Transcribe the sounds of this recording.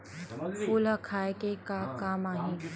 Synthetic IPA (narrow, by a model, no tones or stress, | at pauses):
ʊlakʰaːekekakaːmaːɦĩ